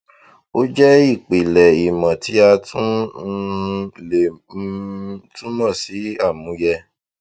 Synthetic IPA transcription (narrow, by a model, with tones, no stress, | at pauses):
o˦d͡ʒɛ˦i˦˨k͡pi˨lɛ˨i˨mã˨tʰi˨˦a˧tũ˦˧ | le˨˦ | tũ˦mã˦˨si˨˦a˦˨mũ˨˦jɛ˧